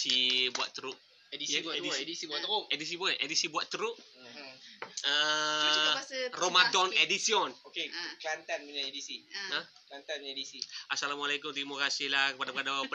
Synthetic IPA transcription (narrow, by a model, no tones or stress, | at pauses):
sibua̰ʔt̪əɾʊʔ̚ | ediidisiuat̪ɾoedis̬ibuʔedisibuaʔt̪ːəɾuʔ | ə | asromat̪ɔnedisiɔnokekəlant̪anminaedisiə | klant̪anedisiʔasalamalekʊmt̪imokasilahkəpadapəkadapə